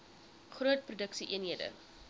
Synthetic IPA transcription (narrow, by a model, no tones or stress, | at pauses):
χruət̚prudəksiʔiənɦiədə̰